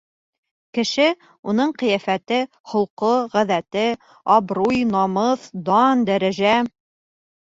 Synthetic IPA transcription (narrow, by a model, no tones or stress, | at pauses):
kɘ̆ʃɘ | un̪ɤɴqɤ̆jæfæt̪ɘ | hŏlˠqoʁæðæt̪ɘ | ɑbɾujnɑmɤθd̪ɑnd̪æɾæʒæ